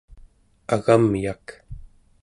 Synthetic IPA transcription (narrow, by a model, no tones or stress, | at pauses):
aɣamiak